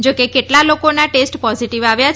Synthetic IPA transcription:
d͡ʒokekeʈlalokonaʈesʈpɔziʈiʋaʋjat͡ʃ

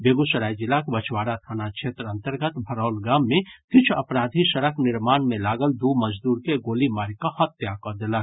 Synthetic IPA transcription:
beːɡusəɾaːjd͡ʒɪlakbət͡ʃʰwaːɾat̪ʰaːnakʃʰeːt̪ɾə̃nt̪əɾɡət̪bʱɐɾaːlɡaːmːẽkɪt͡ʃʰɐpɾaːd̪ʱisəɾəkʰnɪɾmaːnmẽlaːɡəld̪uːməd͡ʒd̪uːɾkeɡoːlimaːɾikahɐt̪jakəd̪eləɡ

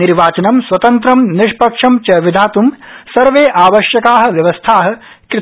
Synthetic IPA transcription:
iɾʋaːt͡ʃɐnɐmsʋɐt̪ɐnt̪ɾɐmniʂpɐkʂɐmt͡ʃɐʋid̪ʱaːt̪umsɐɾʋeːʔaːʋɐʃjɐkaːɦɐ̆ʋjɐʋɐst̪ʰaːɦɐ̆ | kɾɪ

